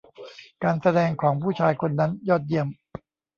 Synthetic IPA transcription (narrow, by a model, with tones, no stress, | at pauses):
kaː˧nsa˧dɛː˧ŋkʰɔː˩˦ŋpʰuː˥˩t͡ɕʰaː˧jkʰo˧nːa˦˥njɔː˥˩t̪̚ji˥˩əm